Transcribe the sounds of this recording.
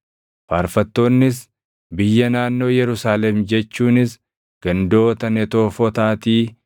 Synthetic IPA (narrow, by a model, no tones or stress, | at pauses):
faːɾfɐt̪ːo̞ːnːɪs | bɪjːɐnaːnːo̞ːjɛɾʊsaːlɛmd͡ʒɛt͡ʃːuːnɪs | ɡ̥ɐnd̪o̞ːt̪ɐnɛt̪o̞ːfɔt̪aːt̪iː